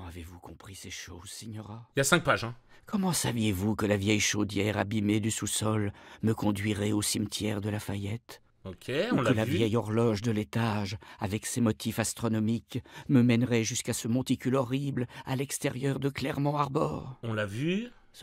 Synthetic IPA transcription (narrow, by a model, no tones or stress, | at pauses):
avevukɔ̃pχiseʃozsiɲɔʁailasɛ̃k̚paʒɛ̃ | kɔmɑ̃savjevukəlavjɛjʃod̪jɛʁa̰bimed̪ysusɔlməkɔ̃d̪ɥiʁɛosimt̪jɛʁd̪əlafajɛt̪ | okʰʲeũlkəlavjɛjɔʁlɔʒd̪əlet̪aʒavɛksemɔt̪ʰifast̪χɔnɔmikməmɛnʁɛʒyskasəmɔ̃t̪ikʲylɔʁibla̰lɛkst̪ɛʁjœʁd̪əklɛʁmɑ̃aʁbɔ̰ːʁɔ̃lavy